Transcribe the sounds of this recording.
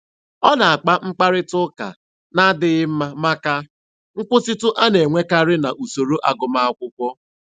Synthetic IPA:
ɔ˦na˨a˨k͡pa˦ŋ͡m̩˦k͡pa˦ɾɪ˦tʊ˦ka̰˨ | na˦dɪ˦ɣɪ˦m̩˦ma˦ma˦ka˦ | ŋ̩˦kʷʊ˦tɪ˦tʊ˦ʔa˦ne˨ŋʷe˦ka˦ɾɪ˦na˨ʔu˨so˨ɾo˦ʔa˨ɡʊ˨ma˦a˦kʷʊ˦kʷɔ˦

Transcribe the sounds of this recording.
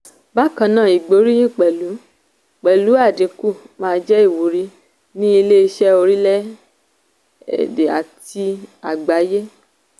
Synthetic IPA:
ba˦kã˧nãː˦˨i˨ɡ͡bo˨˦ɾi˦j̃ĩ˦˨k͡pɛ˨lu˨˦ | k͡pɛ˨lu˨˦a˦˨de˨˧ku˦˨mãː˦˧˦d͡ʒɛ˦i˦˨wu˨ɾi˧˦ | nĩ˦i˧le˦˧ʃɛ˦o˧ɾi˦lɛ˦ | ɛ̰˨de˨a̰˨ti˧a˨ɡ͡ba˨˦je˦

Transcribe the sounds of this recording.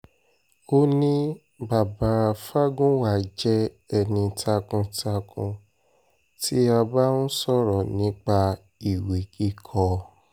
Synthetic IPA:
o˦nĩ˦ | ba˨ba˨˦a˧fa˦ɡũ˦wa˦˨d͡ʒɛ˦ | ɛ˧nĩ˧tʰa˧kũ˧tʰa˧kʰṵ̃˧ | tʰi˦a˧ba˦nũ˦sɔ˦˨ɾɔ˨nĩ˨˦k͡pa˧ | i˨wi˨ki˦kʰɔ˧

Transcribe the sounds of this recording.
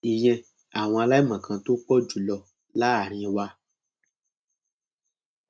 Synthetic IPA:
i˨j̃ɛ̃˧ | a˨w̃ɔ̃˧a˧la˦i˦mã˨kʰã˧to˦k͡pɔ˦d͡ʒu˨lɔ˧ | la˦a˨ɾ̃ĩ˧wa˦

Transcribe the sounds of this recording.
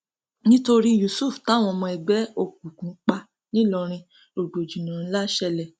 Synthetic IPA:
nĩ˦to˧ɾi˦ju˨su˦˨fta˦˨w̃ɔ̃˧mɔ̃˧ɛ˨ɡ͡bɛ˨˦o˧˨k̚u˨kũ˨˦k͡pa˧ | nĩ˦lɔ˧ɾ̃ĩ˧ | o˨ɡ͡bo˨d͡ʒi˨nã˨˦la˦ʃɛ˧lɛ˨

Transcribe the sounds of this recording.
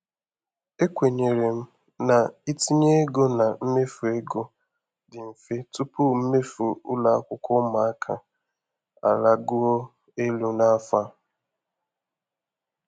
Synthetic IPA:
e˦kʷe˨ɲe˨ɾe˨m̩˦ | na˨i˦ti˦ɲe˦ɡo˦na˨m̩˦me˦fu˨e˦ɡo˦ | dɪ˨m̩˨fe˦tu˦pu˦m̩˦me˦fu˨ʊ̰˦la˦a̰˦kʷʊ˦kʷʊ˦ma˨a˦kʰa˨ | a̰˨la˦ɡʊ˦o˦ | e˦lu˦na˦fa˦

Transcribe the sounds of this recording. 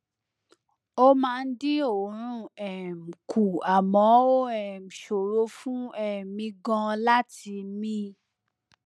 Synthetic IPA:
o˦mãː˦˧n̩˦dĩ˦o˨ɾ̃ũ˦ɛ˨m̩˨kʰu˨a˨mɔ̃˨˦o˦ɛ˨m̩˨ʃo˨ɾo˨˦fũ˦ɛ˨mĩ˧ɡɔ̃˧la˦ti˧mĩ˦

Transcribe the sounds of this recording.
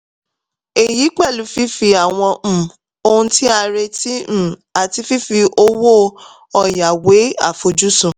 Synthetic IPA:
e˨ji˨˦k͡pɛ˦˨lu˨˦fi˦fi˧a˨w̃ɔ̃˧˨ | o˧hũ˧ti˦a˧ɾe˧ti˦ñ̩˦˨a˨ti˧fi˦fi˧ʔo˦wo˦ | ɔ˨ja˨we˨˦a̰˦˨fo˧d͡ʒu˦sũ˨

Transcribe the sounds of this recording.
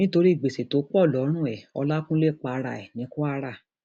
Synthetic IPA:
nĩ˦to˧ɾi˦i˦˨ɡ͡be˨se˨to˨˦k͡pɔ˦˨lɔ˨˦ɾ̃ũ˦˨ɛ˨ɔ˧la˦kũ˦le˦˨k͡pa˧ɾa̰˨ɛ˨nĩ˨˦ku˦a˦˧ɾa˦˨

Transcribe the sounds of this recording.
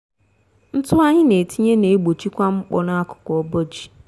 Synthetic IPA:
n̩˦tʊ˦a˦ɲɪ˦ne˨tʰi˦ɲe˦ne˨e˦ɡ͡bo˨t͡ʃi˦kʷa˦ŋ͡m̩˦k͡pɔ̰˨na˦a˦kʊ̥˨kɔ˨ɔ˦bɔ˦d͡ʒi̥˨

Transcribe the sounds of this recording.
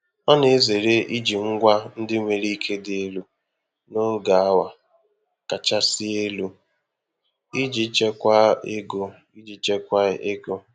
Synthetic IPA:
ɔ˦ne˨˦ze˨ɾe˦ʔi˦d͡ʒi˨ŋ̩˦ɡʷa˦n̩˦dɪ˦ŋʷe˨ɾi˦kʰe˦dɪ˨e˦lu˦ | nʊ˦ŋ˦ɡa˨a˦wa˨ | ka˨t͡ʃa˦sɪ˦e˦lu˦ | i˦d͡ʒi˨˦t͡ʃe˦kʷa˦e˦ɡo˨ | i˦d͡ʒi˨t͡ʃe˦kʷa˦e˦ɡo˦

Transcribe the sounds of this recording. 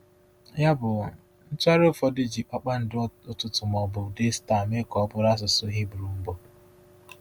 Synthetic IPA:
ja˦bʊ˨ | n̩˦tʊ˦a˦ɾo˦fɔ˦dɪ˦d͡ʒi˨pa˦k͡pa˦n̩˨dɪ˦ʊ˦tʊ˦tʊ˨mɔ˨bʊ˨de˦sta˨me˦kɔ˨˦bʊ˨˦ɾa˦s̬ʊ˨sʊ˦ɦi˦bu˨ɾu˨m̩˦bo˨

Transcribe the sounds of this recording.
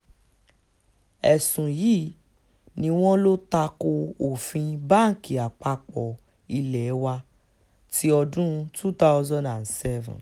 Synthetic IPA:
ɛ˨sũ˨jiː˦ | nĩ˧w̃ɔ̃˦lo˦ta˧ko˧o˨fĩ˧ba˦ŋ̩˨ki˨a˨k͡pa˧k͡pɔ˨ | i˧lɛ˨˦wa˧ | tʰi˦ɔ˧dũ˦˧tʰu˦ta˦wzɔ̃˦ndã˨nsɛ˦vṵ̃˨

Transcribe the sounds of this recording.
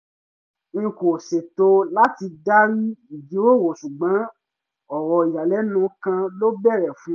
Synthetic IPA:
ŋ̩˧ko˨se˨to˧la˦ti˧da˦ɾi˦i˨d͡ʒi˨˦o˦˨wo˨ʃu˨ɡ͡bã˨˦ | ɔ˨ɾɔ˧i˨ja˨lɛ˨˦nũ˨˦kã˧lo˦bɛ˦˨ɾɛ˨fũ˨˦

